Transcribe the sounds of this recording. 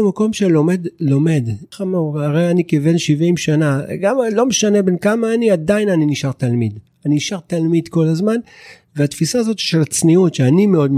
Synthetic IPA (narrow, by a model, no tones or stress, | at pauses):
mako̞mʃelo̞me̞d̪lo̞me̞d̪χamuʁaʁejanikivenʃivimʃanaɡamlo̞meʃane̞be̞nkamaːniad̪ainaniniʃaʁt̪almid̪ | aniniʃaʁt̪almid̪ko̞lazman | veat̪fisaːzo̞t̪i̥ʃelat͡sniutʃeanime̞o̞dm